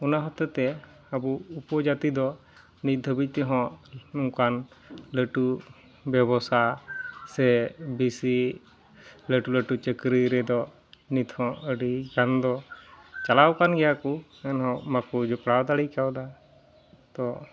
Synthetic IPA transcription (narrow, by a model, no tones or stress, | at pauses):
ɔnaɦɔt̪ɔt̪ɛ | əbuupɔd͡ʒat̪id̪ɔ | nit̪̚d̪ʱəbic̚ˀt̪ɛɦɔ̃ʔnukan | ləʈu | bɛbɔsasɛbisi | ləʈuləʈut͡ʃəkɾiɾɛd̪ɔ | nit̪hɔ̃ʔəɖikand̪ɔt͡ʃalawkanɡɛjaku | ɛnɦɔ̃ʔmakud͡ʒɔpɽawd̪aɽikawd̪a | t̪ɔ